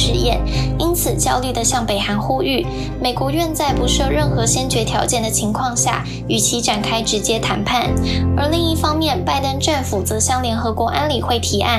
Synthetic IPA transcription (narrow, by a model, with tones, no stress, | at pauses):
ʂɻ̩˥˧jɛ̰˥˩ni˥nt͡sʰɹ̩˨˩t͡ɕjɑ˥ʊly˥˩d̪ə˩ɕjɑ˥˩ŋpe˨˩ɪxa˧˥nxu˥y˥˩ | me˨˩ɪkwɔ˧˥ɥɛ˥˧nt͡sa˥˩ɪpu˧˥ʂɤ˥˧ɻə˥˩nxɤ˧˥ɕjɛ˥nt͡ɕɥɛ˧˥t̪ʰjɑ˧˥ʊt͡ɕjɛ˥˩nd̪ə˩t͡ɕʰi˧˥ŋkʰwɑ˥˧ŋɕja̰˥˩ | y˨˩t͡ɕʰi˧˥ʈ͡ʂa˨˩nkʰa˥ɪʈ͡ʂɻ̩˧˥t͡ɕjɛ˥t̪ʰa˧˥npʰa˥˩nə˞˧˥li˥˧ŋi˥˩fɑ˥ŋmjɛ˥˧˨npa˥˩ɪt̪ə˥nʈ͡ʂa˥˩nfu˨˩t͡sɤ˧˥ɕjɑ˥˩ŋljɛ˧˥nxɤ˧˥kwɔ˧˥ʔa˥nli˨˩xwe˥˩ɪt̪ʰi˧˥a̰˥˩